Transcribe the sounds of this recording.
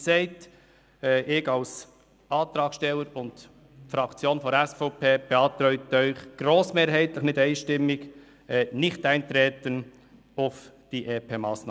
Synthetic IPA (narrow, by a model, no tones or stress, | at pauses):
sɛɪtː | ʔɪɡɑʊs | ʔɑːt̪ɾɑːkʃtɛlːəɾʊnt | fɾɑkt͡sjoːnfɔɾɛsfopʰeːb̥ɛɑːt̪ɾœʏtœʏχɡ̥ɾoːsmeːɾɦhæɪt̪lɪχnɪdæɪnʃtɪmːɪɡ | ɛnɪçtæɪnt̪ɾɛːtən | afd̥iːʔeːpʰeːmɑːsnɑ